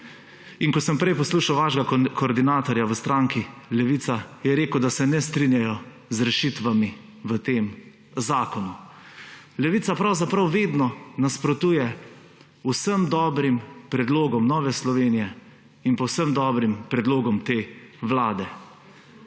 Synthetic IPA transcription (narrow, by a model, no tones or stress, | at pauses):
inkɔsəmpɾɛjpɔsluːʃawʋaːʃɡakʰɔːɾd̪inaːt̪ɔɾjaʋəst̪ɾaŋkilɛʋiːt̪sajɛɾeːkəwd̪asɛnɛst̪ɾinjajɔ | zɾɛʃit̪ʋami | ʋət̪eːm | zaːkɔnu | lɛʋiːt̪sapɾawzapɾawʋeːd̪nɔnaspɾɔt̪uːjɛ | usəmd̪ɔːbɾimpɾɛd̪loːɡɔmnɔːʋɛslɔʋeːnijɛ | inpɔwsəmd̪ɔːbɾimpɾɛd̪loːɡɔmt̪eːʋlaːd̪ɛ